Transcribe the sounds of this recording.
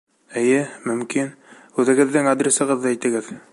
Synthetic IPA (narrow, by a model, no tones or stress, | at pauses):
ɘ̆jɘmɵ̆mkin | ʉðɘ̆ɡɘ̆ðːɘŋad̪ɾʲesɤ̆ʁɤðːɑæjt̪ɘ̆ɡɘð